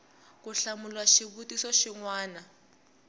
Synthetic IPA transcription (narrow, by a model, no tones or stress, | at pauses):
kuɬamulwaʃiβutisɔʃiŋwaːna